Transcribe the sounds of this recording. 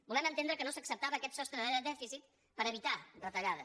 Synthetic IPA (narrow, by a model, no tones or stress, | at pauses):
bulɛmənt̪end̪ɾəkənosəksəp̚t̪aβəːkɛt̪sɔst̪ɾənɛðəd̪ɛfisit̪̚ | pəɾəβit̪arət̪əʎaðə